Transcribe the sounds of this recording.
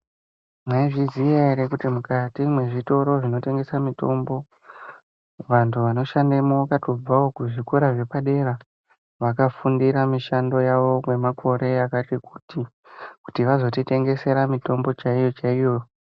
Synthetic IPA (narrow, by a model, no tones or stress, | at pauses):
maiʐizijaeɾekutimukatimwe̞ʐito̞ɾo̞ʐino̞te̞ŋɡe̞samito̞mbo̞ | ʋantʰuʋano̞ʃandemoakato̞b͡vao̞kuʐikuɾaʐe̞paɗe̞ra | ʋakafundiɾamiʃando̞jaʋo̞mwe̞makʰo̞ɾe̞akatiku̥ti | ku̥tiʋazo̞tite̞ŋɡe̞se̞ɾamito̞mbo̞t͡ʃaijo̞t͡ʃaijo̞jo